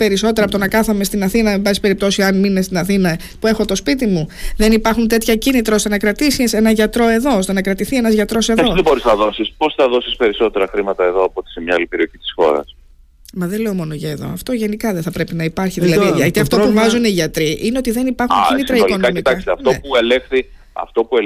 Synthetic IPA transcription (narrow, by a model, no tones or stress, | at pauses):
pe̞ɾiso̞t̪eɾɐpt̪onɐkɐθɐme̞st̪inɐθinɐembɐsi̥pe̞ɾip̚t̪o̞siɐnminest̪inɐθinɐ | pue̞xo̞t̪o̞spit̪imuðe̞nipɐɾxunt̪e̞t̪çɐcinit̪ɾɐo̞st̪enɐkɾɐt̪isise̞nɐʝɐt̪ɾo̞e̞ðo̞ost̪e̞nɐkɾɐt̪iθie̞nɐzʝɐt̪ɾo̞se̞ðo̞boɾiznɐðo̞sispo̞sθɐðo̞sispe̞ɾiso̞t̪e̞ɾɐxɾimɐt̪ɐeðo̞ɐpot̪i̥semɲɐalipe̞ɾio̞çi̥t̪i̥sxo̞̰ɾɐ̰s | mɐðele̞o̞mo̞noʝɐeðo̞̰ɐft̪o̞ʝe̞nikɐðeθɐpɾe̞pinɐipɐɾçiðilɐðiɐt̪iɐft̪o̞puvɐzuniʝɐt̪ɾiʔineo̞t̪iðe̞nipɐɾxucinit̪ɾɐilonkɐmit̪ɐkst̪eɐft̪opuelexθi | ɐ̰ft̪o̞pue